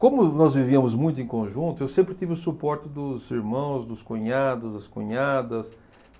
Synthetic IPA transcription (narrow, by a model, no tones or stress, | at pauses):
kõmʊnɔzviviɐmʊzmũj̃t̪ʊẽkõʒũnt̪ʊewsẽmpɾɪt̪ivɪʊsupɔɾt͡ʃɪd̪ʊziɾmɐ̃w̃zd̪ʊskõɲad̪ʊzd̪ɐskõ̰ɲad̪ɐs